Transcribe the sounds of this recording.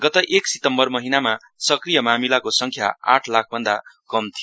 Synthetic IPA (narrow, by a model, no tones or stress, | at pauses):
ɡʌt̪ʌʔeksit̪ʌmbʌrmʌɦinama | sʌkrijʌmamilakosʌŋkʰja̰a̰ʈʰlak̚ʰbʱʌnd̪akʌmt̪ʰio